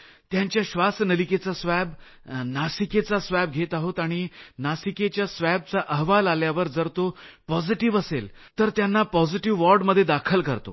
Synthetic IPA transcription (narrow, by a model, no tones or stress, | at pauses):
t̪jãɲt͡ɕjaɕʋasnəliket͡sasʋɛb | nasiket͡sasʋɛb̚ɡʱet̪aɦot̪aɽ̃inasiket͡ɕjasʋɛb̚t͡saʔəɦʋalaljaʋəɾd͡zəɾt̪opɔd͡ziʈiʋəselt̪əɾt̪janːapɔd͡ziʈiʋːɔɾɖməd̪ʱːjed̪akʰəlkəɾt̪o̰